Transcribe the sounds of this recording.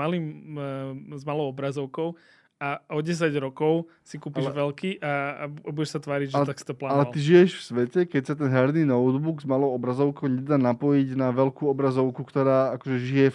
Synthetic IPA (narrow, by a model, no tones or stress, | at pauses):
aliːm | zmalɔʊɔbɾazɔʊkɔʊ | aɔɟɛs̬aɟɾɔkɔʊ | sikuːpiʒʋɛlkiʔaabuɟɛʃsat̪ʋaːɾiɟʒɛt̪aksi̥t̪ɔplaːalɛalt̪iʒijɛʃfsʋɛcɛkɛcsat̪ɛnɦaɾninɔʊd̪buɡzmalɔʊɔbɾazɔʊkɔʊɲɛd̪aːnapɔjiɟnaʋɛlkuːɔbɾazɔʊkukt̪ɔɾaːakɔʒɛʒijɛ